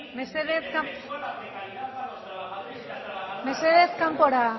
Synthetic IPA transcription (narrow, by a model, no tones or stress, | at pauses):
meseðesk | meseðeskampoɾa